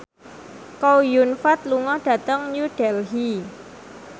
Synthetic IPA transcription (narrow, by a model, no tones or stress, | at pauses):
kɔwjunfat̪̚luŋɔhɖ̥ä̤t̪əŋɲuɖ̥ɛlɦi